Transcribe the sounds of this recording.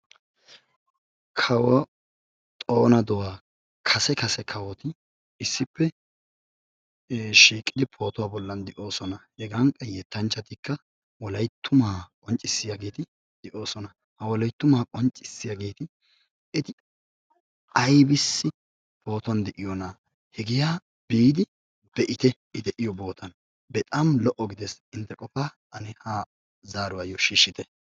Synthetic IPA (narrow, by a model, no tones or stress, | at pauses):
kʰɐwɐ | t̪ʼo̞ːnɐd̪ɔwaː | kʰɐsɛkɐsɛkʰɐwɔt̪ɪ | ɪsːɪpːɛ | ʃiːkʼːɪd̪ɪpʰo̞ːt̪ɔwaːbɔlːɐnd̪ɛʔo̞ːsɔnɐhɛɡɐŋkʼːɐjɛt̪ːɐnt͡ʃːɐt̪ɪkːɐ | wɔlɐjt̪ːʊmaːkʼɔnt͡ʃʼɪsːɪjaɡe̞ːt̪ɪ | d̪̥ɛʔo̞ːsɔnɐ | hɐwɔlɐjt̪ːʊmaːkʼɔnt͡ʃʼːɪsːɪjaɡe̞ːt̪ɪ | ɪt̪ɪ | ɐjbɪsːɪ | bo̞ːt̪ɔnd̪ɛʔɪjɔna | hɛɡɪjaː | b̥iːd̪ɪ | b̪̥ɛʔɪt̪ɛʔɪd̪ɛʔɪjɔbo̞ːt̪ʰɐn | bɛt̪ʼɐmlɔʔɔɡɪd̪ɛsɪnt̪ːɛkʼɔfaːtɐnɪha | zaːɾʊwajɔʃiːʃːɪt̪ɛ